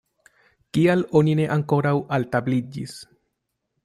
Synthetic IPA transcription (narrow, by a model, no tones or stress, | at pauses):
kialo̞nine̞ʔaŋko̞ɾawaltablid͡ʒḭs